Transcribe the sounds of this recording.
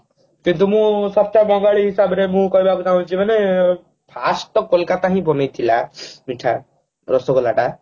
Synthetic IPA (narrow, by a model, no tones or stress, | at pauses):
kint̪umũsɔb̚t͡ʃabɔŋɡaɭiɦisabɾemũkɔɦibʱakut̪aɦũt͡ʃʰimane | pʰasʈ̪ɔkɔlkat̪aɦĩbɔnejt̪ʰilamiʈʰa | ɾɔsɔkɔlaʈa